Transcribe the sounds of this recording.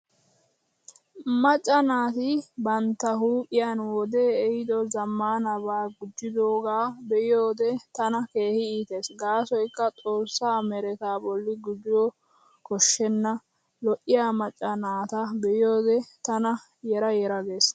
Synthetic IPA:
mɐt͡ʃʼːɐnaːt̪ɪbɐnt̪ːɐɦuːkʼɪjanwɔd̪e̞ːjɪd̪ɔzɐmːaːnɐbaːɡʊd͡ʒːɪd̪o̞ːɡaːbɛʔɪjo̞ːd̪ɛt̪ɐnɐke̞ːhɪiːt̪eːsɡaːsɔjkːɐtʼo̞ːsːaːmɛɾɛt̪aːbɔlːɪɡʊd͡ʒɪwɔ | kɔʃːɛnːɐ | lɔʔːɪjaːmɐt͡ʃʼːɐnaːt̪ɐbɛjɪjo̞ːd̪ɛt̪ɐnɐ | jɛɾɐjɛɾɐɡ̪eːs

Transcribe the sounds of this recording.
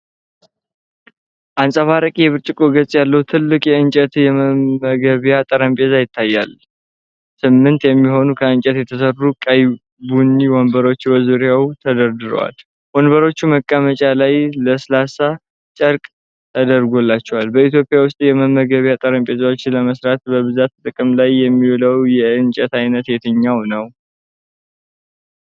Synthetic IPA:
ʔansʼəβaɾəkʼijɛβɨɾt͡ʃʼɪkʼoɡət͡sʼjalːəhut̪ʰɨlːɨkʼjɛɨnt͡ʃʼət̪jɛməmːəɡəβjat̪ʼəɾəmpʼe̞zajɪt̪ʰːajːa̰l | sɨmːɨnt̪jɛmːiɦo̞nukʰəɨnt͡ʃʼɛt̪jɛt̪ʰəsərːukʼaj | bunːiwonbəɾo̞t͡ʃːbəzuɾjawt̪ʰəd̪əɾd̪ɨɾə̰wa̰l | wonbəɾo̞t͡ʃːuməkʼːəmət͡ʃʼalajləslasa | t͡ʃʼəɾkʼ | t̪ʰəd̪əɾɡo̞lːat͡ʃːɛwalbəit̪̬jo̞pʼɪjawʊst̪ʼjɛməmːəɡəβjat̪ʼəɾəmpʼe̞zawot͡ʃːləməsɾat̪bəβɨzat̪t̪ʼɨkʼɨmlajːɛmːiwləwjɛɨnt͡ʃʼɛt̪ajnət̪jɛt̪ʰəɲːawnəw

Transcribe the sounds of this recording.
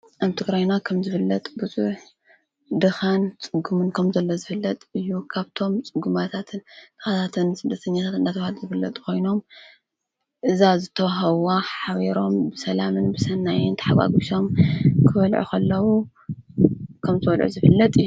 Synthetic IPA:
ʔaβt̪ʰɨɡɾajnakʰɐmzɨfɨlːɐt̪ʼbɨzuħ | d̪ɨxant͡sʼɨɡumɨnkʰɐmzɐlːozɨfɨlːɐt̪ʼɨjːukʰaβt̪ʰo̞mt͡sʼɨɡumat̪ʰat̪ʰɨnd̪̥ɨxat̪ʰat̪ʰɨnsɨd̪ːɐt̪ʰɐɲːat̪ʰat̪ɨnd̪at̪ʰɐwhalzɨfɨlːɐt̪ʼkʰo̞jno̞m | ʔɨzazɨt̪ʰɐwaɦɐβaħaβeɾo̞mbɨsɐlamɨnbɨsɐnːajɪnt̪ʰɨ̥ħaɡa̰ɡuʃo̞mkʰɨfɐlʕṵkʰɐlːɐwu | kʰɐmzɨwɐlʕṵzɨfɨlːɐt̪ʼɨjːu

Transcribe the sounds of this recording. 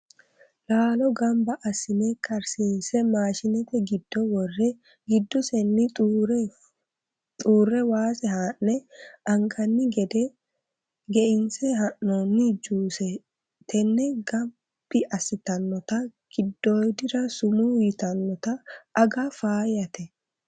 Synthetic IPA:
laːlɔɡɐmbɐʔɐsɪnɛkʰʼɐɾsiːnsɛmaːʃɪnɛt̪ɛɡɪd̪ːɔwɔrːɛ | ɡɪd̪ːɔsɛnːɪtʼːɾ | t̪ʼuːrːɛwaːsɛɦaːnːɛʔɐŋɡɐnːɪɡɛd̪ɛ | ɡɛʔɪnsɛɦɐʔːonːɪd͡ʒuːsɛ | t̪ʰɛnːɛɡɐm | b̥ɪʔɐsɪt̪ɐnːɔt̪ɐɡ̥ɪd̪ːoːjd̪ɪɾɐsʊmujɪt̪ɐnːɔt̪ɐːɡɐfaːjɐt̪ɛ

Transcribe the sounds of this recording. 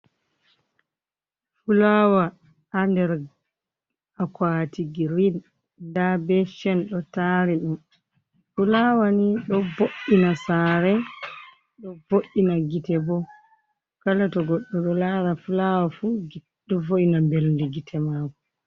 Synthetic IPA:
fulawa | andɛɾ | akwatiɡiɾinː | dabɛʃɛnɗɔtaɾiɗum | fulawaniɗɔboʔinasaɾɛ | ɗɔvoʔːinaɡitɛbɔ | kalatɔɡɔɗːɔɗɔlaɾafulawafu | ɗɔfoʔinambelndiɡitʰɛmaːkɔ

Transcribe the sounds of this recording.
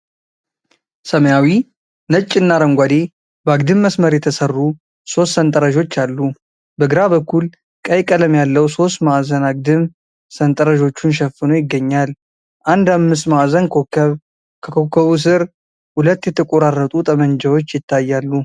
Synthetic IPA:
səməjawi | nət͡ʃʼːɨnːaɾəŋɡʷad̪e̞ | bəaɡd̪ɨmːəsməɾjɛt̪ʰəsərːu | so̞st̪sənt̪ʼəɾəʒo̞t͡ʃːalːu | bəɡɨɾaβəkʰːul | kʼəjkʼələmjalːəwso̞st̪maʔzənaɡ̚d̪ɨm | sənt̪ʼəɾəʒo̞t͡ʃːunʃ̬ɛfːɨno̞jɪɡːəɲːal | ʔand̪amːɨs̬t̪maʔzənβ | kʰəkʰokʰːəβus̬ɨɾ | hulət̪ːjɛt̪ʰəkʼoɾarət̪ʼut̪ʼəməɲd͡ʒɛwo̞t͡ʃːjɪt̪ʰːajːalːu

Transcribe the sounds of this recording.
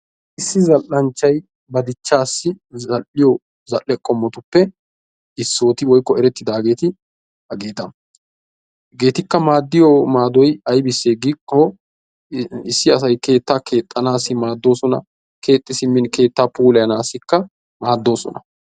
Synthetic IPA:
ʔɪsːɪzɐlʔɐnt͡ʃːɐj | bɐd̪ɪt͡ʃːaːsːɪ | ɐlɪjɔ | zɐlʔɛkʼːɔmːɔt̪ʊpːɛ | ɪsːo̞ːt̪ɪwɔjkːɔɛɾɛt̪ːɪd̪aːɡe̞ːt̪ɪ | hɐɡe̞ːt̪ɐ | ɡe̞ːt̪ɪkːɐmaːd̪ːɪjɔmaːd̪ɔjɐjbɪsːeːɡikːɔ | ɪsːɪɐsɐjke̞ːt̪ːaːkʰe̞ːt̪ʼːɐnaːsɪmaːd̪ːo̞ːsɔnɐ̰ | kʰe̞ːt̪ʼːɪsɪmːɪnke̞ːt̪ːaːpuːlɛjɐnaːsɪkːɐ | maːd̪ːo̞ːsɔ̰nɐ̰

